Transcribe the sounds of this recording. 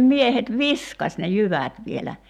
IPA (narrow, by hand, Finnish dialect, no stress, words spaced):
miehet ʋiskɑs ne jyʋæˑt ʋielæ